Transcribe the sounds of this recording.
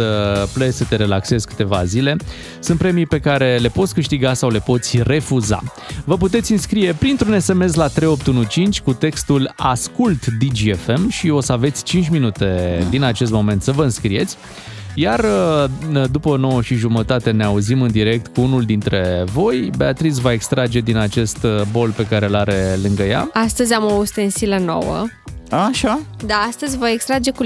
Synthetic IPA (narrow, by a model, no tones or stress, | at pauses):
əpləsət̪e̞ɾe̞lakse̞zkɨ̥t̪e̞vazile̞ | sɨnt̪pɾemijpe̞kaɾe̞le̞pot̪sʲkɨʃt̪iɡasawle̞po̞t̪sʲre̞fuza̰ | vəput̪e̞t̪sʲɨnskɾije̞pɾint̪ɾune̞se̞me̞slat̪ɾe̞jo̞p̚t̪unut͡ʃint͡ʃʲkut̪e̞kst̪ulaskult̪d̪id͡ʒiefe̞mʃio̞səave̞t̪sʲt͡ʃint͡ʃʲminut̪e̞d̪inat͡ʃe̞s̬t̪̚mo̞me̞nt̪səvəɨnskɾije̞t̪sʲ | jarəd̪upəno̞wəʃiʒumət̪at̪e̞neauzimɨnd̪iɾe̞k̚t̪kuunuld̪int̪ɾe̞vo̞jbe̞at̪ɾis̬vaekst̪ɾad͡ʒe̞d̪inat͡ʃe̞st̪bo̞lpe̞kaɾe̞laɾe̞lɨŋɡəja̰ast̪əzʲamoːst̪ensiləno̞̰wə̰ | aʃad̪aast̪əzʲvaekst̪ɾad͡ʒe̞ku